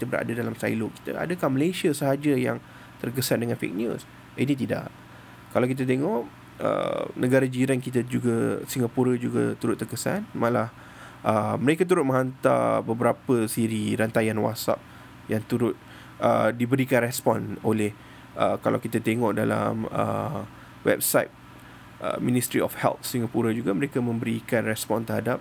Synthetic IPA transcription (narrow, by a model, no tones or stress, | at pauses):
ki̥t̪əbəɾa̰dadalamsa̰jloki̥t̪ə̰ʔa̰dakahməlesiəsəɦad͡ʒaja̰ŋ | t̪ərk̬əsandəŋanfḛk̚njṵs | init̪̬ida̰ʔ | kalawkit̪̬at̪̬eŋɔʔ | ə̰nʔəɡaɾad͡ʒiɾankit̪əd͡ʒuɡəsiŋɡapuɾəd͡ʒuɡa̰t̪uɾʊt̪ːərkəsa̰nmalah | ʔəməɾekat̪̬uɾʊt̪̚mə̃ɦant̪a̰bəbəɾapəsiɾiɾant̪ajanwa̰tsa̰p̚ | jaŋt̪uɾʊt̪̚ | ə̰dibəɾikanrɛspɔnolɛh | əkala̰wkit̪at̪eŋɔʔdala̰mə̰ | wɛ̰p̚sajt̪̚ | ə̰mĩnist̪ɾiɔ̰fhɛ̰lt̪̚siŋɡapuɾad͡ʒuɡaməɾekamə̃mbəɾikanrɛspɔnt̪əɾɦhadap̚